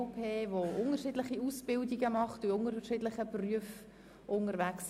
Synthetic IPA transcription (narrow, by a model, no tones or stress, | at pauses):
pʰeːvoʔʊnəɾʃɪːdlɪχiusb̥ɪldiɡəmɑχtyʊnəʃɪːdlɪχəpryəf | ʔʊnəɾvæks